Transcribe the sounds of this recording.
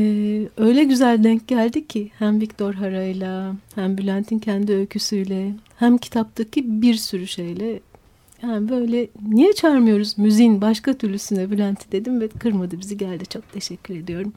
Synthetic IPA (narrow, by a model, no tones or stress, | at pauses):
ɛːø̞jlʲɛɟyzælʲd̪ɛɲc̚ɟælʲd̪icʰːihæmvict̪ʰo̞ɾɦaɾajlˠahæmbylʲænt̪ʰincʰænd̪iølcʰysyjlʲɛhæmcʰi̥t̪ʰap̚t̪ʰacʰibiɾsyɾyʃe̞jlʲɛ | jaːnibø̞jlʲɛnijɛt͡ʃʰaɾmɯjo̞ɾuzmyzijinbaʃkat̪ʰyɾlʲysynd̪ɛbylʲænt̪ʰid̪e̞d̪imvɛkʰɯɾmad̪ɯbiziɟælʲd̪it͡ʃʰo̞k̚t̪ʰe̞ʃɛcʰːyɾe̞d̪ijo̞ɾum